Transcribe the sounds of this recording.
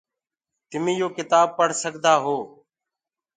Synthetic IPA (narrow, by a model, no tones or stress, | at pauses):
t̪ɪmĩːjoːkɪt̪aːb̚pəɽ̤səɡd̪aːɦoː